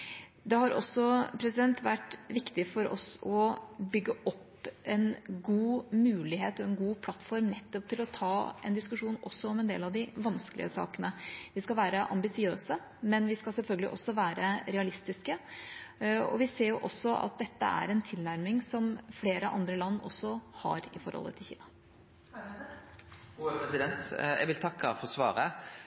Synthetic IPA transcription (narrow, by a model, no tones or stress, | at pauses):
d̪ɛhɑɾʔɔ̰sːɔpʰɾɛsɪd̪ɛnt̪ʋæʈːʋɪkt̪ɪfɔɾɔ̰sɔbʏɡːəʔɔpː | ɛnɡuːmʉːlɪheːt̪ɔɛnɡuːpʰlɑt̪ːfɔɾmnɛt̪ːɔp̚t̪ʰɪlɔt̪ʰɑːɛ̰nd̪ɪskʉʂuːnɔsːɔɔmɛnd̪ḛːlɑʋd̪ɪʋɑnskəlʔɪ̰əsɑ̰ːkənəʋɪskɑlʋæːɾəʔɑ̰mbɪsɪøːsə | mɛnʋɪskɑlsɛlfœlɡəlɪ̰ʔɔsːɔʋæːɾəɾɛɑlɪst̪ɪskə | ɔ̰ʋɪseːɾjʊʔɔsːɔʔɑ̰t̪̚d̪ɛt̪ːə̰æ̰ɾɛnt̪ʰɪlnæɾmɪŋsɔmfleːɾəʔɑ̰nd̪ɾəlɑnːɔ̰sːɔhɑ̰ɾɪfɔ̰ɾhlːə̰t̪ʰɪlçḭːnɑ | pɛsɪd̪ɛnt̪ɛ̰ɡʋɪlt̪ʰɑkːɑ̰fɔʁsʋɑ̰ːɾə